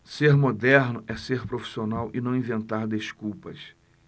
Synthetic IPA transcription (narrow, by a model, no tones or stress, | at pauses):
seɾmod̪ɛɾnʊʔɛseɾpɾofi̥sionawʔɪnɐ̃w̃ĩvẽnt̪aɾd̪eʃkuwpɐs